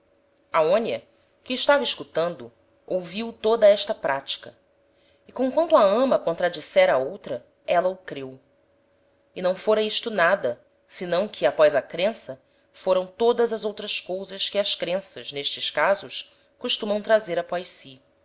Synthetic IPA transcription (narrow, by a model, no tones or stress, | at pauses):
aõnjɐ | kɪːʃt̪avɐɪʃkut̪ɐ̃nd̪ʊ | owviwt̪od̪ɐɛʃt̪ɐpɾʔat͡ʃi̥kɐ | ɪkõkwɐ̃nt̪ʊɐɐ̃mɐkõnt̪ɾad͡ʒisɛɾɐaowt̪ɾɐ | ɛlɐʊkɾew | ɪnɐ̃w̃foɾɐiʃt̪ʊnad̪ɐ | sɪnɐ̃w̃kʰɪapɔjzɐkɾẽsɐ | foɾɐ̃w̃t̪od̪ɐzɐzowt̪ɾɐskowzɐskɪɐskɾẽsɐ̰zneʃt͡ʃɪskazʊʃ | kuʃt̪umɐ̃w̃t̪ɾazeɾapɔjʃsi